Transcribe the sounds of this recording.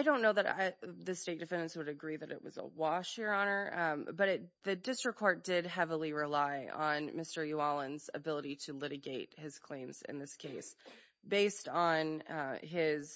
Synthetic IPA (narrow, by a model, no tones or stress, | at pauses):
aɪɾõʊ̃nːoʊðɨɾ̰ðɨsteɪt̚d̥ɨfɛ̃ndɨ̃nswɨɾɨɡɹiðɨɾɨ̰ʔ̚wʌ̰zə̰wɑʃhɪɹɑñə˞b̥ʌɾɨt̚ðɨdɪstɹ̥ɨkʰɔɹt̚d̥ɪd̚ɦɛvl̩ˠiɹɪlaɪə̃nmɪstə˞juɑlˠə̃nzɨ̰bɪlˠəɾiɾɨlɪɾɨɡeɪt̚hɨz̥kʰl̥ẽɪ̃mz̥ɨ̰̃nðɪskʰeɪs | b̥eɪstn̩ɪz̥